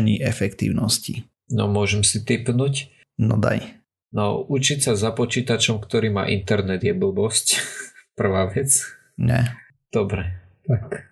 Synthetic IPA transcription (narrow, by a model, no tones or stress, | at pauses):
ɲiʔɛfɛkt̪ḭːʊnɔscḭ | nɔ̰mʊɔʒɛmsit̪ipnuc | nɔ̰d̪a̰j | nɔʔut͡ʃicsazapɔt͡ʃiːt̪at͡ʃɔmkt̪ɔɾiːma̰ːʔint̪ɛɾnɛd̪jɛbl̩bɔscpr̩ʋaːʋɛt͡s | ɲɛ̰ | d̪̥ɔbɾɛ | t̪ak